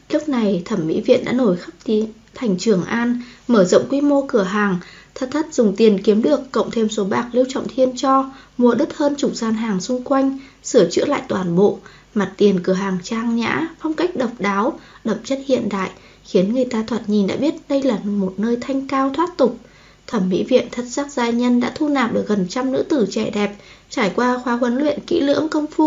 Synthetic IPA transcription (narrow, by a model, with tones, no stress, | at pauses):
lɨ˦˥k͡p̚na˨˩jt̪ʰə˧˩mːḭ˧˥vḭ˧˨ənɗa̰ː˧˥no˧˩jxə˦˥p̚t̪i˨˦ | t̪ʰɛ˨˩jŋ̟t͡ɕɨ˨˧˩əŋʔaː˧nməː˧˩zə̰˧˨wŋ͡mkwi˧mo˧kɨ˧˩əɦaː˨˩ŋt̪ʰə˦˥t̚t̪ʰə˦˥t̚zʊ˨˩ŋ͡mt̪i˨˩ənki˨˦əmɗɨ˨˩əkːə̰˧˨wŋ͡mt̪ʰe˧mso˨˦ɓaː˨˩k̚li˧əwt͡ɕɔ̰˧˨ŋ͡mt̪ʰi˧ənt͡ɕɔ˧mu˧˩əɗɨ˦˥t̚həː˧nt͡ɕu˧˩zaː˧nɦaː˨˩ŋsʊ˧ŋ͡mkwa˧jŋ̟ | sɨ˧˩ət͡ɕɨ̰˧˥əla̰ː˧˨jt̪waː˨˩nɓo̰˧˨ | ma˨˩t̚t̪i˨˩ənkɨ˧˩əɦaː˨˩ŋt͡ɕaː˧ŋɲa̰ː˧˥fɔ˧wŋ͡mka˦˥jk̟̚ɗə˨˩wk͡p̚ɗaː˨˦wɗə̰˧˨mt͡ɕə˦˥t̚hḭ˧˨ənɗa̰ː˧˨jʔ | xi˨˦ənŋɨ˨˩əjt̪aː˧t̪ʰwaː˨˧˩t̚ɲi˨˩nɗa̰ː˧˥ɓi˦˥ət̚ɗə˧jlaː˨˩mo˨˩t̚nəː˧jt̪ʰa˧jŋ̟kaː˧wt̪ʰwaː˦˥t̚t̪ʊ˨˩k͡p̚ | t̪ʰə˧˩mːḭ˧˥vḭ˧˨ənt̪ʰə˦˥t̚saː˦˥k̚zaː˧jɲə˧nɗa̰ː˧˥t̪ʰu˧naː˨˩p̚ɗɨ˨˩ək̚ɣə˨˩nt͡ɕa˧mnɨ̰˧˥t̪ɨ˧˩t͡ɕɛ˧˩ɗɛ˨˩p̚ | t͡ɕaː˧˩jkwaː˧xwaː˨˦kwə˨˦nlwḭ˧˨ənkḭ˧˥lɨ̰˧˥əŋkə˧wŋ͡mfu˧